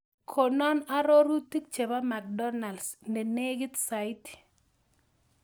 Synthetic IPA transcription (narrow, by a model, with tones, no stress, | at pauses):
kʰo˨nɔ˦na˦ɾo˦ɾu˦ti˦k̚t͡ʃe˨ba˦ma˨k̚dɔ˦na˨lsne˨ne˦ɡi˦tsa˨i˦t